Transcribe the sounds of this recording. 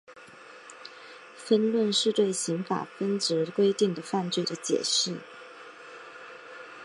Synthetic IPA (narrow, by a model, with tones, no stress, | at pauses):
fə˥nlwə˥˧nʂɻ̩˥˧t̪we˥˩ɪɕi˧˥ŋfa̰˨˩fə˥nʈ͡ʂɻ̩˧˥kwe˥ɪt̪i˥˩ŋd̪ə˩fa˥˧nt͡swe˥˩ɪd̪ə˩t͡ɕjɛ̰˨˩ʂɻ̩˥˩